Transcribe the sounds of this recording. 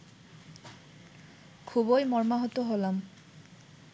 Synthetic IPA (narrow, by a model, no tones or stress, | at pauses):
kʰubojmɔɹmaɦɔt̪ɔɦolam